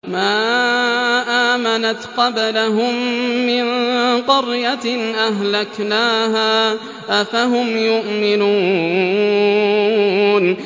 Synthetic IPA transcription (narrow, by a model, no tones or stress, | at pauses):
maː | ʔaːmanat̪qɑblaɦʊmːɪnqɑɾjaʔaɦlaknaːɦaː | ʔafaɦʊmjʊʔmɪnuː | n